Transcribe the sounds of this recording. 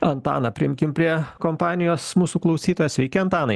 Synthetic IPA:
ɐnt̪ɑ̰ːnɐpʲɪɪmʲkʲɪmpʲɾʲiɛkɔmpɑːnʲɪjoːsmuːsuːklˠɐʊsʲiːt̪oːjɛːsʲʋʲɛɪkʲɛɐnt̪ɑːnɐɪ

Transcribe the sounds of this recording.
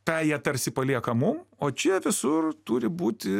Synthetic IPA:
kɑːjiɛt̪ɐɾʲsʲɪpɐlʲiɛkɐmʊmoːt͡ʃʲɛʋʲɪsʊrt̪uːɾʲɪbuːt̪ʲɪ

